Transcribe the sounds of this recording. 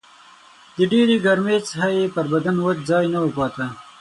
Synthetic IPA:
d̪əɖeɾeɡaɾmet͡sɦajepəɾbad̪anwad͡ʒzɑjnawəpɑːt̪a

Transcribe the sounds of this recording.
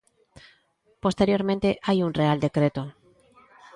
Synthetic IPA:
po̞st̪eɾjo̞ɾmẽnt̪eʔajunreald̪e̞kɾet̪o

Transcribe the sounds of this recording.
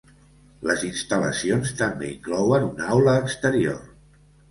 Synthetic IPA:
ləzinst̪ələ̰sionst̪əmbḛiŋklɔwənunawləːkst̪əɾio̰r

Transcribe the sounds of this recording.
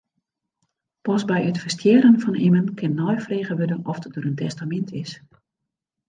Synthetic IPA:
pɔsbɛjətfərstjɪːɾənfɔnɪmənkʰɪnːɔjfreːɣəʋødənɔfdədøːɾəntʰɛstamɛntʰɪs

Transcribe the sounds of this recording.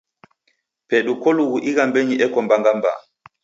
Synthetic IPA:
pɛɗukoluɡuʔiɣambeɲiʔɛkɔmbaŋɡamba̰

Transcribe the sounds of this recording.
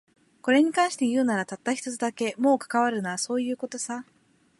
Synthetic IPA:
ko̞ɾe̞ɲ̟ikãɰ̃ɕi̥t̪e̞jɯ̟ːnaɾat̪at̪ːaçi̥t̪ot͡sɨd̪ake̞mo̞ːkḁkaβ̞aɾɯ̟naaso̞ːjɯ̟ːko̞t̪o̞sa

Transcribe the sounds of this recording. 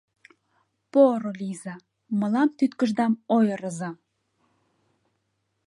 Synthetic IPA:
poɾolizɑ | mə̆lɑmt̪yt̪kəʒd̪ɑmojəɾəzɑ

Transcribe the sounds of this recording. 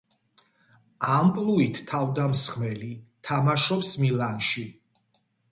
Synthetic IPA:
ampʼluit̪ʰːavd̪amsχmɛlit̪ʰamaʃɔpsmilanʃi

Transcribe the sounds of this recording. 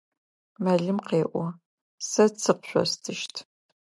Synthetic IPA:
mɐɮɨmqeːʔʷɔ | sɐt͡sʰɨqɕʷɔ̰stʰɨʃtʰ

